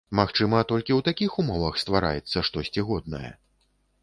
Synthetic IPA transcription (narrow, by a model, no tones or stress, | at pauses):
maxt͡ʂɨmɐt̪ɔlʲkʲiwt̪akʲixumɔvɐxst̪vaɾa̰jɛt̪sːɐʂt̪ɔsʲt͡sʲiɣɔd̪nɐ̰jɛ̰